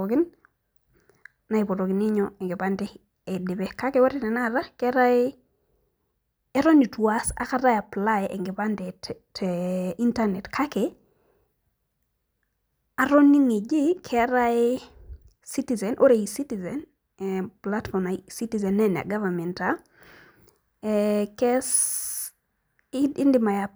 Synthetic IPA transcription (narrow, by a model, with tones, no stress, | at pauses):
kɪn | na˨i˨pɔ˨tokɪ˨nɪ˦ɲɔeŋɡɪ˨pande | e˨de˨pɛka˦ke˦wɔ˦ɾɪnɛna˦ɾa˦kɛɾa˦ɪ | ɛ˦ɾɔ˦ni˨twasa̰˨kata˦ja˨pla˦eʔe˨ŋɡɪpandɛtti˦ntanɛ˨tkʰa˦ke | a˨ɾo˦niŋi˨d͡ʒi˦kʰɛɾaɪ | si˦tizɛ˨nʔo˦ɾe˨i˨sitizɛn | ɛplatfɔ˨masi˦tizɛ˨nɛn˨a̰˨ɡa˦vamɛ˨nta | kɛs | ɪ˦ndɪma˨ja